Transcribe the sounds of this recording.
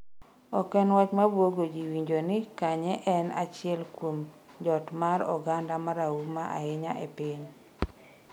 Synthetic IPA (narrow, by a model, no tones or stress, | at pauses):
ɔkɛnwat͡ʃmabwoɡod͡ʒiwiɲd͡ʒonɪkaɲɛʔɛna̰t͡ʃɪɛlkwom | d͡ʒɔtmaɾɔ̰ɡandamaɾaumaʔa̰ɪɲaʔepiɲ